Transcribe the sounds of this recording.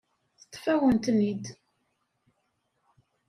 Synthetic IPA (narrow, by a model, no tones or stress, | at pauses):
θə̥t̪ˤːfæwənt̪mid̪